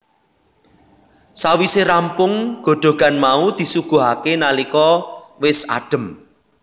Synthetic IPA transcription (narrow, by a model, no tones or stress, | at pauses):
sawiseɾampʊŋɡ̥o̤ɖ̪̥o̤ɡ̥a̤nmaud̪̥i̤suɡ̥ṳɦakenalikɔwɪsa̰ɖ̥ə̤m